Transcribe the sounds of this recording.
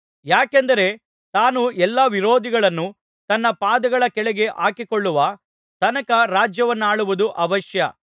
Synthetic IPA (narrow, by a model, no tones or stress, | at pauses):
jaːkend̪ɐɾe̞ | t̪aːnuɛlːɐʋiɾoːd̪iɡɐɭɐnːu | t̪ɐnːɐpaːd̪ɐɡɐɭɐkɛɭɛɡe̞ʔa̰ːkikoɭːuʋɐ | t̪ɐnɐkɐɾaːd͡ʒjɐʋɐnːaːɭuʋud̪uʔɐʋɐʃjɐ̰